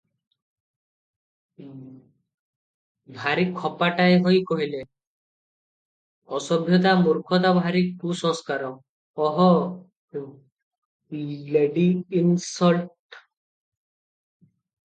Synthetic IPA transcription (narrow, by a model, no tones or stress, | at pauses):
bʱaɾikʰːɔpaʈaeɦojkɔɦile | ɔsɔbʱjɔt̪amuɾkʰɔt̪̬abʱaɾik̚kusɔ̃ŋskaɾɔ | ɔɦɔ | leɖiinsɔlʈ